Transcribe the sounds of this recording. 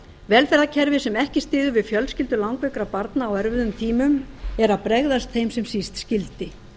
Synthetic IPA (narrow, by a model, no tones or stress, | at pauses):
vɛːlfɛɾðacʰɛɾvɪsɛmɛhcɪst̪ɪːðʏvɪðfjœlscɪlt̪ʏlawŋkvɛkɾapaɾt̪naːwɛɾvɪðʏmt̪ʰiːmʏmɛɾaðpɾɛɣðast̪θejmsɛmsist̪scɪlt̪ɪ